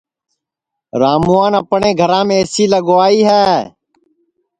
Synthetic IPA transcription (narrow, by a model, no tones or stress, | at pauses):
ɾaːmuːãːnəpɳẽːɡʱəɾãːmẽːsiːləɡoːaːiːɦɛː